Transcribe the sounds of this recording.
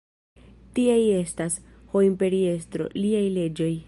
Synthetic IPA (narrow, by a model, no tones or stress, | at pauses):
tiaje̞stas | ho̞impe̞ɾie̞stɾo̞̰liajle̞d͡ʒo̞j